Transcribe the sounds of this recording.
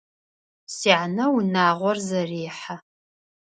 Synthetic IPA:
siːʕanɐwnaːʁʷɔrzɐriːħa

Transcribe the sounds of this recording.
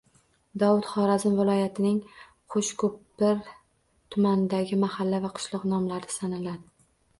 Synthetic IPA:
d̪ɒwʊt̪χɒɾazɪmvɪlˠɒjat̪ʰɪnɪŋ | qʰoʃkʰɵp̚bɪɾ | t̪ʰʊmand̪aɡʲɪmahalːavaqʰʊ̥ʃlˠɒqnɒmlaɾd̪ɪ̥sanɪlad̪ɪ

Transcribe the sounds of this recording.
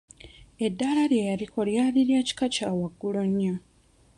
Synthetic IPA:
e̞dːalaljejaɾiko̞ljaːliɾjaːci̥kacaːwaɡːuloɲːa

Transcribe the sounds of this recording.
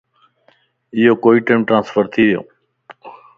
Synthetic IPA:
ɪjoːkoːiːʈeːmʈɾãːnsfəɾt̪ʰiːʋɪjo̰ː

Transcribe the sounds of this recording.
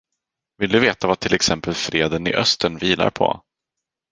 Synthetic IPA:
vɪld̪ɵveːt̪avat̪ʰɪlɛksɛmpəlfɾeːd̪ənɪ̰ʔœst̪əɳviːla̰ɾpʰɔ̰

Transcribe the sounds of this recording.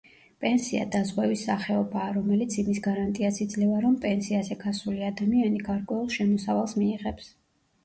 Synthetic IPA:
pʼɛnsia̰d̪azʁwɛvisːaχɛɔbaːɾɔmɛlit̪sʰimisɡaɾant̪ʼiasid̪zlɛvaɾɔmpʼɛnsiazɛɡasuliad̪amianiɡaɾkʼwɛulˠʃɛmɔsavalˠsmiːʁɛps

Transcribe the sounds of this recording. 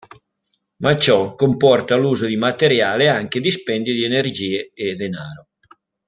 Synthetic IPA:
mat͡ʃɔkompɔrt̪aluːzod̪imat̪eɾjaːleaŋk̟ed̪ispɛnd̪jid̪ienerd͡ʒiːeed̪enaːɾo

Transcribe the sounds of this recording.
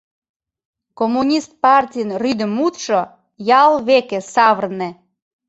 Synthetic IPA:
komːunʲist̪̚pɑrtʲijənryd̪ə̆mut̪ʃo | jɑlˠβekĕsɑβərne

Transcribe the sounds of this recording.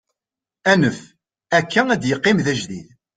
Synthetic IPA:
ænəf | ækːææd̪jəqːimðæʒðið

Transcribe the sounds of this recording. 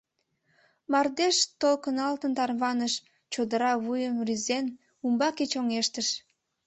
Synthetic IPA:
mɑrd̪eʃt̪olkənɑlt̪ənt̪ɑrβɑnəʃ | t͡ɕod̪əɾɑβujəmryzen | umbɑket͡ɕoŋeʃt̪əʃ

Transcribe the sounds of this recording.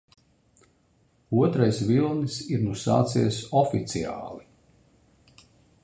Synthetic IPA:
uɔt̪ɾajsvilˠnisiɾnusa̰ːt̪sḭjsɔfit̪sia̰ːlˠi

